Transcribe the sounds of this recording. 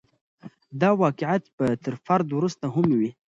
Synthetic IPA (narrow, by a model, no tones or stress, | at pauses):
d̪ɑwɑkɪʕjat̪pət̪əɾfaɾd̪wɾust̪aɦʊmwi